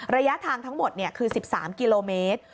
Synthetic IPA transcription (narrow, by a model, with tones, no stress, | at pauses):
ɾa˧ja˦˥ʔt̪ʰaː˧ŋt̪ʰa˦˥ŋmo˨˩t̪̚ni˥˩ɐkʰɯː˧si˨˩p̚sa̰ː˩˦mki˧loː˧meː˦˥t̪̚